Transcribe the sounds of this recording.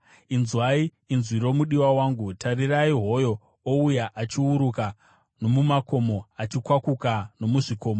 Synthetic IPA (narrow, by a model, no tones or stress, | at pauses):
inzwaiː | nzwiɾo̞muɗiwawaːŋɡutʰariraiɦo̞jo̞ | oujaʔat͡ʃiuɾuka | no̞mumako̞mo̞at͡ʃikwakukano̞muʐiko̞ːmo